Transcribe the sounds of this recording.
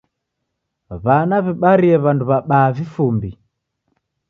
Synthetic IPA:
βanaβɛɓaɾiɛβanduβaɓaːvifumbi

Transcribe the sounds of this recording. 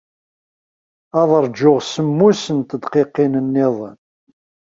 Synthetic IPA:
ɑðˤəɾˤd͡ʒʊʁsəmːusənt̪əd̪qeqːinənːɪðˤə̰n

